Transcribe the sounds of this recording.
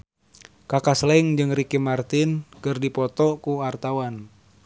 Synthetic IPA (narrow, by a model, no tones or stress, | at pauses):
kakaslɛŋd͡ʒɨŋrikimart̪inkɨrdipɔt̪ɔkuart̪awan